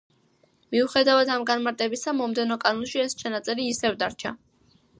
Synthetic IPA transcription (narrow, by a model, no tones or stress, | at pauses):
miuχɛd̪avad̪amɡanmaɾt̪ʼɛbisamɔmd̪ɛnɔkʼanunʃiɛst͡ʃʰanat̪sʼɛɾiːsɛvd̪aɾt͡ʃʰa̰